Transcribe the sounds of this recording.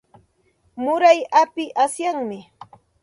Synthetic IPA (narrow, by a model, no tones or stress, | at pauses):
mʊɾajapɪʔasjaŋmɪ